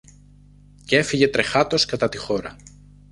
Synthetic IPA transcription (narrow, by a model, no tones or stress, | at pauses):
cee̞fiʝe̞t̪ɾe̞xɐt̪o̞skɐt̪ɐt̪ixo̞ɾɐ